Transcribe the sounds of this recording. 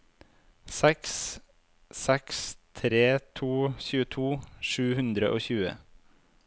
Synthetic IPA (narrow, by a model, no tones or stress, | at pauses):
sɛks | sɛkst̪ʰɾeːt̪ʰuːçʉːət̪ʰuːʃʉːhʉnd̪ɾəʔoːçʉːə̰